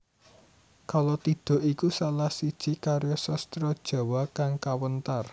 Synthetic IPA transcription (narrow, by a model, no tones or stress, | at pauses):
kalɔt̪id̪̥ɔ̤ʔikusalahsid̥ʒ̥i̤kaɾjɔsɔst̪ɾɔd̥ʒ̥a̤wakaŋkawənt̪ar